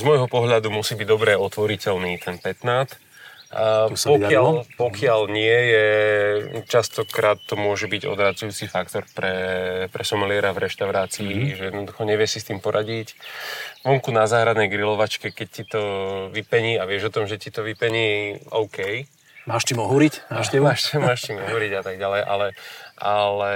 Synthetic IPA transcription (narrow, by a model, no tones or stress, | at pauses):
zmɔjɦɔpɔɦʎad̪umusiːbiɟd̪ɔbɾɛɔt̪ʋɔɾicɛlniːt̪ʰɛnpɛt̪naːt̪ | pɔalpɔkɪaʎɲɪɛjɛ | t͡ʃast̪ɔkɾʔaːt̪ːɔmʊɔʒɛbiɟɔ̰d̪ɾat͡sujuːt͡sifak̚t̪ɔɾpɾɛpɾɛsɔmalɪɛɾavɾɛʃt̪aʊɾaːt͡siːʒɛjɛd̪nɔd̪uxɔɲɛʋɪɛsist̪iːmpɔɾʔaɟic | ʋɔŋkunazaːɦɾad̪nɛjɡɾilɔʋat͡ʃkɛkɛc̚cit̪ɔʋipɛɲiːaʋɪɛʒɔt̪ɔmʒɛcit̪ɔʋipɛɲiːɔʊkɛj | maːʃt̪imɔɦuɾicmaːʃɛuaʃmaːʃt̪imɔɦuɾiɟat̪aɡ̚ɟalɛjʔa̰lɛʔalɛ